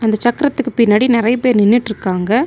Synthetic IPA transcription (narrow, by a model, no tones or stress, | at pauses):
ɐnd̪ɐt͡ʃɐkːɪɾɐt̪ːɯkːɯpɪnːɐːɽinɪɾɐɪpeːɾnɪnːɪʈːɪɾɯkːaːŋɡɐ